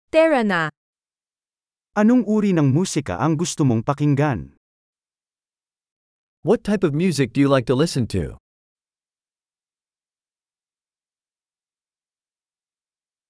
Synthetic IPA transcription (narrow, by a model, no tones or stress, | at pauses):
t̪ɛɹɐna | ʔɐnoŋʔuːɾinɐŋmuːsɪkɐ̰ʔɐŋɡʊst̪ʊmoŋpɐkɪŋɡan | wʌtʰːaɪpʌvmjʉzɨk̚d̥ɨjɨlaɪk̚tʰəlɪsɨ̃ntʰʉ̰